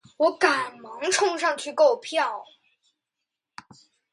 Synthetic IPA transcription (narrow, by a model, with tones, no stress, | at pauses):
wɔ˧˥ka˨˩nmɑ˧˥ŋʈ͡ʂʰʊ˥˧ŋʂ̬ɑ˥˧ŋt͡ɕʰy˥˧ko˥˧ʊpʰjɑ˥˩ʊ